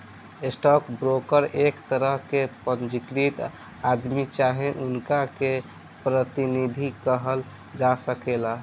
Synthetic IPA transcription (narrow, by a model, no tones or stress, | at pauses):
esʈɔkbɾokəɾekt̪əɾəɦkepənd͡ʒikɾit̪ | ad̪mit͡ʃaɦẽʔunkake | pɾət̪inid̪ʱikəɦəl | d͡ʒasəkela